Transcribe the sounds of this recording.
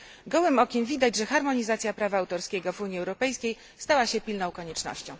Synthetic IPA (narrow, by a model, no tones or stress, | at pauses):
ɡɔwɘmɔkʲinvʲid̪ad͡ʑʐɛxaɾmɔɲizat̪sʲjapɾavaːwt̪ɔɾskʲɛɡɔvuɲjiɛwɾɔpɛjskʲej | st̪awaɕɛpʲilnɔ̃w̃kɔɲɛt͡ʂnɔ̰ɕt͡ɕɔ̰̃w̃